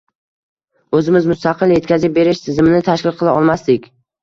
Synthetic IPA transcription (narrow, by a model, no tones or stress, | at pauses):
ɵzɪmɪzmʊst̪aqʰɨlˠje̞t̪kʲazɪp̚be̞ɾɪʃt̪ʰɪzɪmɪnɪt̪ʰaʃkʲɪlˠqʰɨlˠaɒlˠmast̪ɪkʲ